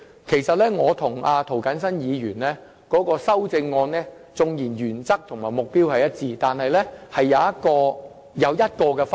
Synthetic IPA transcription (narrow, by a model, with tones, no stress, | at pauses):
kʰe˨˩jsɐ˨t̚lɛː˥ŋɔː˨˧t̪ʰʊ˨˩ŋaː˧t̪ʰo˨˩wkɐ˨˥nsɐ˥njiː˨˧jyː˨˩nlɛː˥ | kɔː˨˥kɔː˧sɐ˥wt͡sɪ˧ŋːɔː˧nlɛː˥ | t͡sʊ˨ŋjiː˨˩njyː˨˩nt͡sɐ˥k̚t̪ʰʊ˨˩ŋmaː˨˩jmʊ˨k̚piː˥whɐ˨jɐ˥t̚t͡siː˧t̪aː˨nɦɐ˨jlɛː˥hɐ˨jːɐ˨˧wjɐ˥t̚kɔː˧ | jɐ˨˧wjɐ˥t̚kɔː˧kɛː˧f